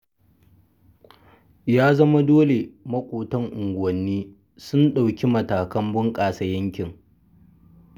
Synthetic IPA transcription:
jaː˦zɐ˦ma˦doː˦le˨mɐ˦kʷʼoː˨tɐ˦ŋʔʊ˨ŋɡʷʊ˨wɐ˨nːiː˦ | sʊ˦nɗa˨wkʲi˦mɐ˨taː˨kɐ˦mbʊ˦ŋkʼaː˨sɐ˨jɐ˦ŋkʲɪ˨ŋ

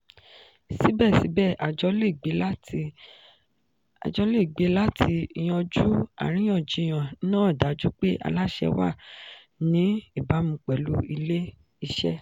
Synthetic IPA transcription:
si˨˦bɛ˦˨si˨˦bɛ˦˨ʔa˨d͡ʒɔ˧le˦˨ɡ͡be˨˦la˦˧ | a̰˨d͡ʒɔ˧˦le˦˨ɡ͡be˨˦la˦tʰi˧i˧j̃ɔ̃˧d͡ʒu˦a̰˦˨ɾ̃ĩ˦j̃ã˦˨d͡ʒi˨˧˨j̃ã˨˦nãː˦˨da˨˦d͡ʒu˦k͡pe˦ʔa̰˧la˦ʃɛ̰˧wa̰˦˨ | nĩ˨˦i˦˨ba˨˦mũ˧k͡pɛ˨lu˦i˧le˦ | i˧ʃɛ˦

